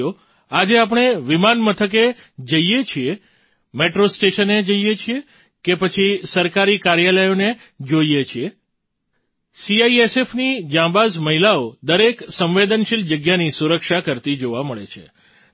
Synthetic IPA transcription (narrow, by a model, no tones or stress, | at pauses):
o | ad͡ʒeap̬ɳ̃eʋimanmət̪ʰək̬e | d͡ʒəijet͡ʃʰie | meʈɾosʈeʃəned͡ʒəijet͡ʃʰie | kepət͡ʃʰisəɾkaɾikaɾjaləjone | d͡ʒoiet͡ʃʰie | siaiesefnid͡ʒãbazməɦilaod̪əɾeksə̃mʋed̪ənʃild͡ʒəɡjanisuɾəkʃakəɾt̪id͡ʒoʋaməɭḛt͡ʃʰḛ